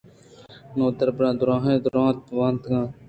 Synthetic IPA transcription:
nõːt̪əɾbɾãːd̪ʊɾãːɦẽːd̪ʊɾãːt̪̚ʋãːnt̪ɡãː

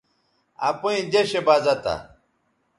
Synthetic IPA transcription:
ɐ̰puĩd͡ʑeɕebazɐt̪a̰

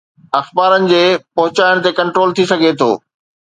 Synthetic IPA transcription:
ɐxbaːɾənɪ̆d͡ʑeːpɐɦʊt͡ɕaːɪɽ̃t̪ekɐ̃ɳʈɾoːlt̪ʰisɐɡʱet̪ʰo̰ː

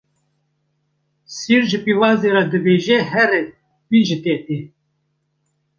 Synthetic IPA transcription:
siːɾʒɨpivɑːzeɾad̪ɨbeːʒehɛɾe | wiʒɨt̪eːt̪i

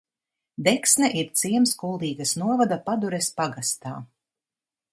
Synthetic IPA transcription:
d̪ɛksnɛʔiɾt̪siɛmskulˠd̪iːɡasnuɔvad̪apad̪uɾɛspaɡast̪a̰ː

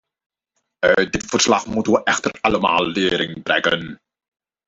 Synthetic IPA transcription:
ədɪtfərslaχmutənʋəʔɛxtəraləma̰ːlːɪːɾɪŋbrɛ̰ɡən

